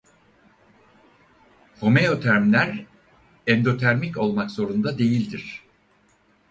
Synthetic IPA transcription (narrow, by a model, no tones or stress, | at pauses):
ho̞mejo̞t̪ʰæɾmlʲæɾ | ɛnd̪o̞t̪ʰæɾmico̞lˠmakz̥o̞ɾund̪ad̪e̞jilʲd̪iɾ̥